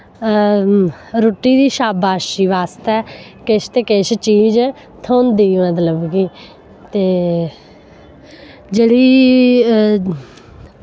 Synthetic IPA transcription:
ɾoːʈːiːd̪iːʃaːbaːʃiːʋaːst̪ɛːkɪʃt̪eːkɪʃt͡ʃiːd͡ʒ | t̪ʰõːnd̪iːmət̪ləbkiː | t̪eː | d͡ʒeːɽiː

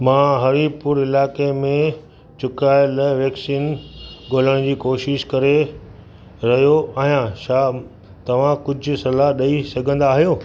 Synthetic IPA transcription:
mãːɦɐɾipʊɾɪlaːkemẽ | t͡ɕʊkaːɪləʋɛksiːnɡoːləɽ̃d͡ʑiːkoːʃɪʃkɐɾe | ɾɐɦijoaːɦijãʃaː | t̪ɐʋ̤ãkʊd͡ʑʱʊ̆sɐlaɦɗɐisɐɡʱə̃nd̪aːɦijoː

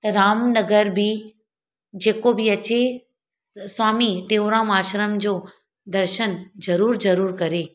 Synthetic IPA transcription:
t̪ɐɾaːmnɐɡəɾbɪ | d͡ʑeːkobɪɐt͡ɕe | swaːmit̪eːʊɾãːmaːʃɾəmd͡ʑoː | d̪ɐɾʃənzɐɾuːɾzɐɾuːɾkɐɾe

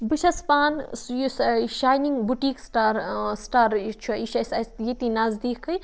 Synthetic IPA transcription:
bɨʃɐspaːnsjsʃaːjniŋɡbuʈiːksʈaːɾsʈaːɾt͡ʃʰuɐiʃɐsɐsjet̪inaːzd̪iːkʰːɐj

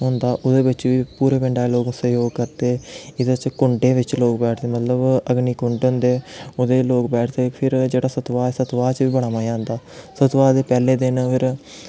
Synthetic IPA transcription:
ɦʊ̃nd̪aːʔʊd̪eːbɪt͡ʃʋiːpuːɾeːpɪɳɖaːloːɡsəjoːɡkəɾt̪eːɪd̪t͡ʃkʊɳɖeːʋɪt͡ʃloːkbɛːʈʰt̪eːmət̪ləbəɡniːkʊɳɖɦʊ̃nd̪eːʊd̪eːloːkbɛːʈʰt̪eːpʰɪɾd͡ʒeːɽaːsət̪ʋaːsət̪ʋaːt͡ʃʋiːbəɽaːmaːd͡ʒãːnd̪aːsət̪ʋaːd̪eːpɛːleːd̪ɪnpʰɪɾ

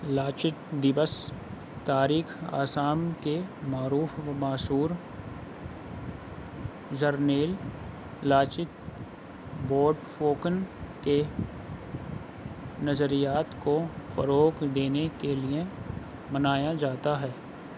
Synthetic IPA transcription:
laːt͡ʃɪt̪d̪ɪʋəs | t̪aːɾiːxa̰ːsaːmkemaːɾuːfʋmaːsuːɾ | d͡ʒəɾneːl | laːt͡ʃɪt̪ | boːɾɖfoːkənke | nɐzəɾijaːt̪kofə̰ɾoːkd̪eːnekelie | mɐnaːjad͡ʒaːt̪aɦɛː

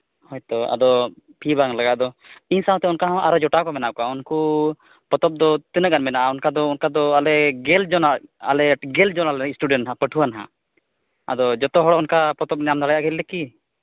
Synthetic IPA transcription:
hɔjt̪ɔa̰d̪ɔ | pʰibaŋlaɡaʔd̪ɔiɲsaɦɔ̃t̪ɛunkaɦɔ̃ʔaɾɔd͡ʒɔʈakɔmɛnaʔkɔaunku | pɔt̪ɔp̚d̪ɔt̪ɛnəɡanmɛnaʔaunkad̪ɔunkad̪ɔalɛɡɛld͡ʒɔnaa̰lɛɡɛld͡ʒɔnalɛsʈuɖɛnɦãpəʈʰuanɦã̰ | a̰d̪ɔd͡ʒɔt̪ɔɦɔɽɔɔnkapɔt̪ɔp̚nɛjamd̪aɽajaʔɡɛlːɛki

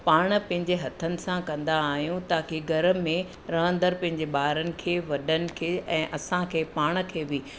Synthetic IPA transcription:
paːɽ̃ə̆pɐ̃ɦɪ̃ɲd͡ʑeɦɐt̪ʰənɪ̆sãkɐ̃nd̪aːɦijũt̪aːkeɡɐɾəmẽ | ɾɐ̃ɦə̃nd̪əɾpɐ̃ɦɪ̃ɲd͡ʑeɓaːɾənɪ̆kʰeːʋɐɗənɪ̆kʰeːɛ̃ːʔɐsãkʰeːpaːɽ̃̆kʰeːbɪː

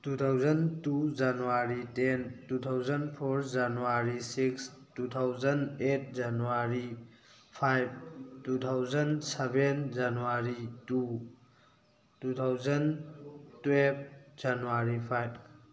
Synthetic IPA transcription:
tut̪ʰawzɐntud͡ʒanuwaɾitentut̪ʰawzənpʰoɾd͡ʒanuwaɾisikstut̪ʰawzənet̚ʰd͡ʒanuwaɾi | pʰajb̚tut̪ʰawzɐnsebend͡ʒanuaɾitu | tut̪ʰawzɐntweb̚d͡ʒanuwaɾipʰajb

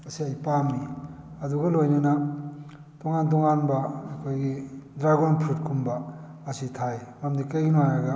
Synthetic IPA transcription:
ɐsiajpamːiɐduɡɐlojnina | tɔŋant̬ɔŋanbɐːkʰojɡidɾaɡonpʰɾutkʰumbɐ | ɐsitʰajmamdikajɡinajaɡa

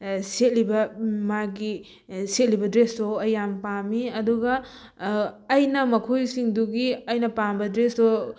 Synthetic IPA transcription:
set̚libɐmaɡi | set̚libɐdɾestoɐjampamiɐduɡɐ | jnɐmɐkʰojsiŋduɡiɐjnɐpambɐdɾeso

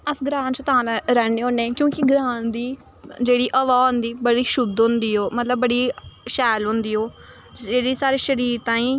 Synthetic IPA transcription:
əsɡɾãːnt͡ʃət̪ãːɾɛːneːɦõːneɛ̃ːkjõːkɪɡɾãːnd̪iː | d͡ʒeːɽiːʔəʋaːɦʊnd̪iːbəɽiːʃʊd̪ʊ̃nd̪iːoːmət̪ləbːəɽiːʃɛːlɦʊ̃nd̪iːɦoː | d͡ʒeːɽiːsaːɾeːʃəɾiːɾt̪ãːĩː

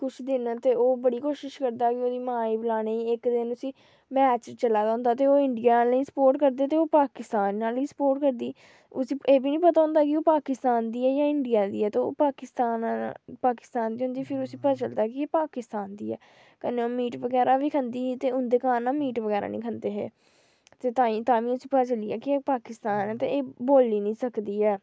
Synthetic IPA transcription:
kʊt͡ʃʰd̪ɪnt̪eːoːbəɽiːkoːʃɪʃkəɾd̪aːkɪoːd̪iːmãːiːbɪlaːneiːɪkd̪ɪnʊsĩː | mɛːt͡ʃt͡ʃəlaːd̪aːʊ̃nd̪aːt̪eːoːɪɳɖijaːnaːlĩːsə̥poːɾʈkəɾd̪eːt̪eːoːpaːkɪst̪aːnːaːliːsə̥poːɾʈkəɾd̪iː | ʊsĩːeːbiːnĩːpət̪aːɦʊ̃nd̪aːkɪoːpaːkɪst̪aːnd̪iːɛːjãːɪɳɖijaːd̪iːɛːt̪eːo̰ːpaːkɪst̪aːnpaːkɪ̥st̪aːnd̪iːʊ̃nd̪iːpʰɪɾʊsiːpət͡ʃəld̪aːkɪeːpaːkɪst̪aːnd̪iːɛ̰ː | kəneːoːmiːʈʋəɡɛːɾaːʋiːkʰənd̪iːt̪eːʊnd̪eːkaːnːaːmiːʈʋəɡɛːɾa̰ːnḭ̃ːkʰənd̪eːɦḛː | t̪eːt̪ãːĩːt̪ãːʋĩːʊsiːpət͡ʃəliːɛːkɪeːpaːkɪst̪aːnɛːt̪ḛːeːboːlːiːnĩːsəkd̪iːɛː

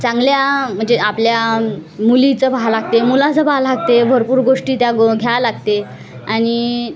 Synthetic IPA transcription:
t͡sãŋɡljam̤əɳd͡zeapljamulit͡səbʱalaɡt̪emulãt͡səbʱalaɡt̪ebʱəɾpuːɾɡoʂʈiːt̪jaɡʱjalaɡt̪e | añi

